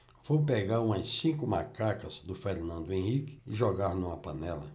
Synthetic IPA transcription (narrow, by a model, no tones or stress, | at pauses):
v̥owpeɡaɾũmɐsĩkʊmakakɐzd̪ʊfeɾnɐ̃nd̪ʊẽhikɪ̥ɪʒɔɡaɾnũmɐpɐ̃nɛlɐ̰